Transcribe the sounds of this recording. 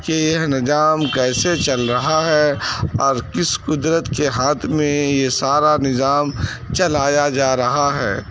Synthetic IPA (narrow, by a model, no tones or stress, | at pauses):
kejɐɦnɪzaːmkɛːset͡ʃɐlɾɐɦaɦɛɔːɾkɪskʊd̪ɾət̪keɦaːt̪ʰmẽjesaːɾanɪzaːm | t͡ʃɐlaːjad͡ʒaːɾɐɦaɦɛ̰ː